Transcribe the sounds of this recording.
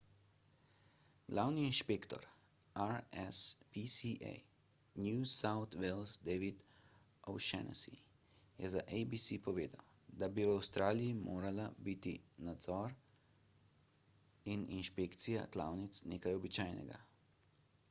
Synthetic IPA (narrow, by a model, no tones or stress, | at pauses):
ɡ̥laːwniːnʃpeːkt̪ɔ̰ɾ | aɾɛspisiʔɛ̰j | njusawt̪ʋelzd̪ɛʋid̪ | owʃɛ̰nʔɔ̰sḭ | jɛzaʔejbisipɔʋeːd̪a̰w | d̪abiwawst̪ɾʔaːlijimoːɾalabit̪ḭnad̪zɔɾ | ininʃpeːkt̪sija̰k̪la̰wnit̪sneːkajɔbit͡ʃaːjnɛ̰ɡa̰